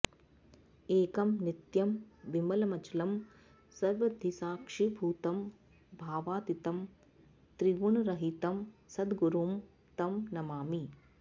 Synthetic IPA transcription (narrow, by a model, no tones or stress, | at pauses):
eːkɐmnit̪jɐmʋimɐlɐmɐt͡ʃlɐm | sɐɾʋɐd̪ʱisaːkʂibʱuːt̪ɐm | bʱaːʋaːt̪it̪ɐm | t̪ɾiɡuɳɐɾɐɦit̪ɐmsɐd̪ɡuɾuːm | t̪ɐmnɐmaːmi